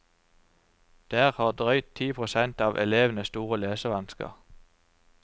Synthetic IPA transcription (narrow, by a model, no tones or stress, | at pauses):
d̪̥æːʁhɑːd̪ʁœʏt̪ʰiːpʰʁʊsɛnt̪ɑːʋʔɛ̰leːʋən̩əst̪uːʁəleːsəʋɑnskə̰ʁ